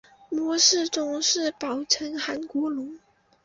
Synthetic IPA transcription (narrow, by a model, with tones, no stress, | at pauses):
mwɔ˧˥ʂɻ̩˥˩ʈ͡ʂʊ˨˥ŋʂɻ̩˥˩pɑ˨˩ʊʈ͡ʂʰə˧˥nxa˧˥nkwɔ˧˥lʊ˧˥ŋ